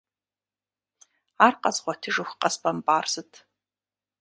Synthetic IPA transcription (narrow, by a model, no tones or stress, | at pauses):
arqʼɐzʁʷɔtʰɨʒɨxʷqʼɐspʼɐmpʼaːrzɨtʰ